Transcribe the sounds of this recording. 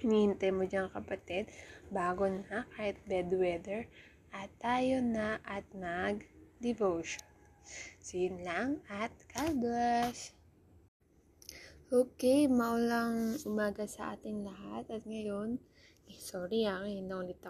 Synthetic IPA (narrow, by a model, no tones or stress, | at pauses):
nhɪnt̪ɐjmod͡ʒaŋkɐpɐt̪ɛd̪̚baːɡonakaːhɪt̪̚bɛd̪wɛd̪ɛɹ | ʔɐt̪ːaːjonɐʔɐt̪̚nɐɡd̪ɛvowʃon | sɪnlaŋɐt̪̚kaːɡas | ʔoːkɛjmɐʊlɐŋʔʊmaːɡɐsɐʔa̰ːt̪ɪŋlɐɦat̪ɐt̪̚ŋɐjo̞n | soːɾiaŋɪnɐʊlɪt̪ːɐ